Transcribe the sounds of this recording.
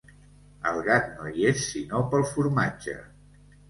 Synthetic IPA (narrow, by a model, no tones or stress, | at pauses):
əlˠɣak̪noiesːinopəlˠfuɾmad͡ʒə̰